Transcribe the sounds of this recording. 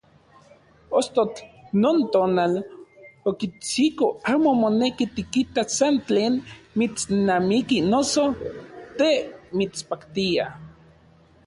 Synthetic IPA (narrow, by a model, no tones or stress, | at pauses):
ost̪ot͡ɬnoːnt̪oːnal | okit͡sikoaːmomonekit̪ikit̪asant͡ɬeːnmit͡snamikinosot̪emit͡spakt̪ia